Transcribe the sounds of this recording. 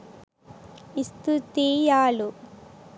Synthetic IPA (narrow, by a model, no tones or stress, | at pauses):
ist̪ut̪iːjaːlu